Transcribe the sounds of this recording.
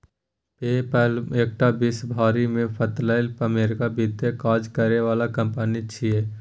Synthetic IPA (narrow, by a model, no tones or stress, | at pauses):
peːpɛleːk̚ʈabɪsbʱaːɾimẽpʰət̪laɪlpəmeːɾkabit̪ekaːd͡ʒkəɾeʋaːlakə̃mpənit͡ʃʰieː